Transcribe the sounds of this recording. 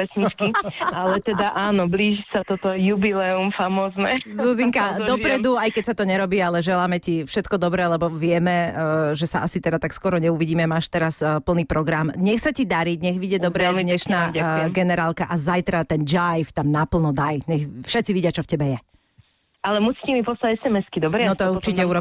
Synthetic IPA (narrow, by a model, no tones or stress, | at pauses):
ɛsɲit͡ʃkialɛt̪ɛd̪aʔaːnɔbliːʒisat̪ɔt̪ɔjubilɛumfamɔːznɛzuziŋkad̪ɔpɾɛd̪uajkɛcsat̪ɔɲɛɾɔbiːalɛʒɛlaːmɛcifʃɛt̪kɔd̪ɔbɾɛlɛbɔʋɪɛmɛʒɛsaʔasit̪ɛd̪at̪akskɔɾɔɲɛuʋiɟiːmɛmaːʃt̪ɛɾaspl̩niːpɾɔɡɾamɲɛxsacid̪aɾiɟɲɛɣʋiɟɛd̪ɔbɾɛd̪ɲɛʃnaːɡɛnɛɾaːlkaʔazajt̪ɾat̪ɛnd͡ʒajft̪amnapl̩ˠnɔd̪ajɲɛxfʃɛt͡siʋiɟɪat͡ʃɔfcɛbɛjɛ | alɛmusiːcɛmipɔst̪aɛsɛmɛskid̪ɔbɾɛnɔt̪ɔuɾt͡ʃicɛuɾɔ